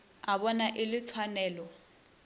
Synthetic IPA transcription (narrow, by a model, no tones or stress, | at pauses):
aβɔnaʔɪlɪt͡sʰwanɛːlɔ